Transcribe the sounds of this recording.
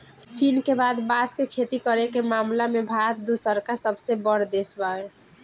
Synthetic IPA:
t͡ʃinkebad̪baskekʰet̪ikəɾekemamlamebʱat̪̚d̪usəɾkasəbsebəɾd̪esbae

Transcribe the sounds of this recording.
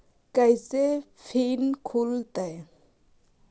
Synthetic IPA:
kajse | fʰinkʰult̪aj

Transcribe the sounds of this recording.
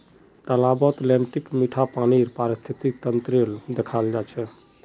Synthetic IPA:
t̪əlabət̪lɛɳʈikmiʈʰapaniɾpaɾist̪ʰit̪it̪ənt̪ɾeld̪ekʰald͡ʒat͡ʃʰɛ

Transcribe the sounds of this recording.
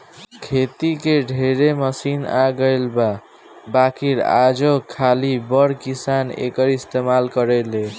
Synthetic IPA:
kʰet̪ikeɖʱeɾeməsina̰ɡəɪlba | bakiɾa̰d͡ʒokʰalibʌɽkisanḛkəɾist̪emalkəɾele

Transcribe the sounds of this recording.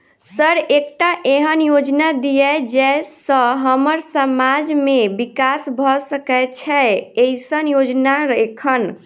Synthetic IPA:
səɾek̚ʈaʔeɦənjod͡ʒnad̪ijɛd͡ʒɛsə̃ɦəməɾsəmad͡ʒmebikasbʱɔsəkɛt͡ʃʰɛeisənjod͡ʒnaɾekʰən

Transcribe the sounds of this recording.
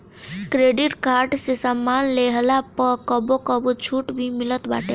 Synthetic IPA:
kɾeɖiʈkaɾɖsesəmːanleɦlapəkəbokəbut͡ʃʰuʈbʱimilət̪ba̰ʈe

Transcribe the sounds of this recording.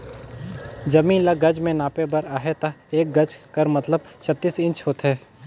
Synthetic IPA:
d͡ʒɐmĩːnlaɡɐd͡ʒmẽnaːpebɐɾaːɦet̪ɐeːk̚ɡɐd͡ʒkɐɾmɐt̪ləb̚t͡ʃʰɐt̪ːiːsɪ̃nt͡ʃɦoːt̪ɦɛː

